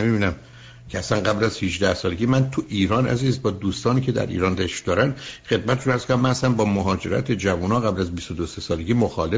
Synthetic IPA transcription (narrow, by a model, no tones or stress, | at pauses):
emibiːnæm | cʰeæsænɡæblæz̥hiʒd̪æhsɒːleɟʲiːmænt̪ʰuʔiːɾɒːnæ̰ziːzbɒːd̪uːst̪ɒːniːcʰe̞d̪æ̰ɾʔḭːɾɒːnd̪æʃd̪̥ɒːɾænd̪xe̞d̪mæt̪ʰeʃunæɾz̥konæmːænhæsænbɒːmoɦɒːd͡ʒe̞ɾæ̰t̪ʰed͡ʒævuːnɒːɣæblæzbist̪od̪ose̞sɒːleɟiːmoxɒːle